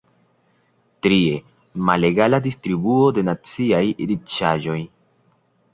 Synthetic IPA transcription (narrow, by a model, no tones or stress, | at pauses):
tɾie̞ | male̞ɡaladistɾibuo̞de̞nat͡siajiɾit͡ʃaʒo̞j